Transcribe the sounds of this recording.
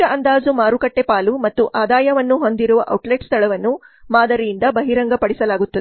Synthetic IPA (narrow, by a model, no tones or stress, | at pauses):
ɐʔɐnd̪aːd͡ʒumaːɾukɐʈːepaːlumɐt̪ːuʔaːd̪aːjɐʋɐnːuɦo̞nd̪iɾuʋɐʔɐ̰wʈleːʈst̪ʰɐɭɐʋɐnːu | maːd̪ɐɾijind̪ɐbɐɦiɾɐŋɡɐpɐɽisɐlaːɡut̪ːɐd̪e